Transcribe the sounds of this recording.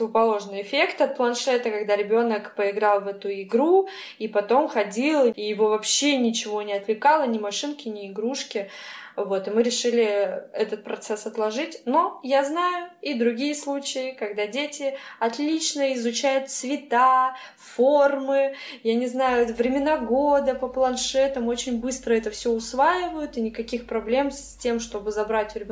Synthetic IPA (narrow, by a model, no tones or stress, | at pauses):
svʊpɐlˠo̞ʐnɨjɪfʲe̞kt̪ɐt̪̚plˠɐnʂɛt̪əkɐɡd̪aɾʲɪbʲo̞nəkpəɪɡɾɑlˠvɛt̪ʊɪɡɾu | ipɐt̪o̞mxɐdʲilˠijɪvovɐpɕːe̞nʲɪt͡ɕɪvo̞nʲɪɐt̪lʲɪkalˠənʲɪmɐʂɨnkʲɪnʲɪːɡɾuʂkʲɪvo̞t̪ɪmɨɾʲɪʂɨlʲɪɛt̪ət̪̚pɾɐt̪sɛsɐt̪lˠɐʐɨtʲno̞jaznajʊid̪ɾʊɡʲijəslˠut͡ɕɪjɪkɐɡd̪adʲetʲɪɐt̪lʲit͡ɕnəɪzʊt͡ɕæjʊt̪svʲɪt̪a | formɨjanʲɪznajʊɛt̪vɾʲɪmʲɪnaɡo̞d̪əpəplˠɐnʂɛt̪əmo̞t͡ɕɪnʲbɨst̪ɾəɛt̪əfsʲoʊsvajɪvəjʊt̪ɨnʲɪkɐkʲixpɾɐblʲe̞msʲtʲe̞mʂt̪o̞bɨzɐbɾatʲʊvɾʲɪ